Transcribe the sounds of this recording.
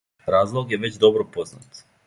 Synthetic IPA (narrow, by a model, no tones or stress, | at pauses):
ɾazlˠoɡjeʋet͡ɕd̪obɾopozna̰t̪